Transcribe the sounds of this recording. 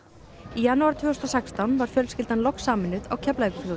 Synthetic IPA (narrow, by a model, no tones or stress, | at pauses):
ijanːuaɾ̥t̪ʰvɛːɔst̪ɔsɛkst̪awnvaɾ̥fjœlscɪlt̪anlɔksaːmɪnːʏða̰wcʰaplaɪkʏfloð